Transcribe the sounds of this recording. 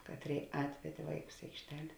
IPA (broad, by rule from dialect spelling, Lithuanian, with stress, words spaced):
ˈkɑːtʲˌrʲeːɪ ˈɑːtʲʋʲɛdʲeː ˈʋɐɪˌkʊs ɪ ɐɪkʃʲˈtʲɛlʲ